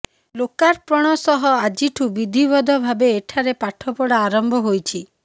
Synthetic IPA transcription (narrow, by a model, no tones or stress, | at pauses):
lokaɾpɾɔɽ̃ɔsɔɦɔad͡ʒiʈʰubid̪ʱibɔd̪ʱɔbʱabeːʈʰaɾepaʈʰɔpɔɽaːɾɔmbʱɔɦojt͡ʃʰi